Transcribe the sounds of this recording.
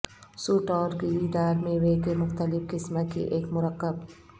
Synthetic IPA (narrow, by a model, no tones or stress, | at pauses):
suːʈɔːɾkiɪd̪aːɾmẽweːkemʊxt̪əlɪfkɪsmakḭʔeːkmʊɾəqːəb